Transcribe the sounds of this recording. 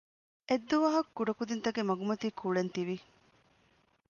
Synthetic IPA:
ʔed̪ːuʋɐɦɐkːuɖɐkud̪int̪ɐɡemɐɡumɐt̪iːkʰuɭent̪iʋi

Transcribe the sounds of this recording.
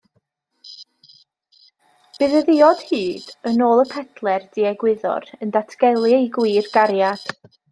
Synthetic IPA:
b̥ɨðəðɪɔd̥hɨːd̥ənoːlˠəpʰɛdlˠɛrd̥iɛɡwɪðɔ̰ɾəndatʰɡɛlˠɨiɡwiːrɡaɾjad̥

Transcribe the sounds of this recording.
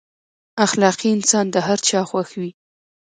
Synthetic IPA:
axlɑqiɪnsɑnd̪əɦaɾt͡ʃɑxwaxwi

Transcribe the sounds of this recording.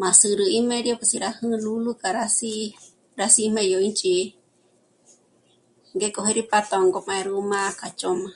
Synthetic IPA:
mãsɨɾɨimeɾjopasiɾahɨ̃lulukʼaɾasi | ɾasimẽjoint͡ʃʼi | ŋɡekʼoɦeɾipat̪aŋɡomãẽɾumãkat͡ʃʼoma

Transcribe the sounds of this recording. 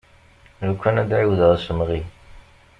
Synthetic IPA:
ɾəkʷːænæd̪ʕiwðəðˤsəmʁi

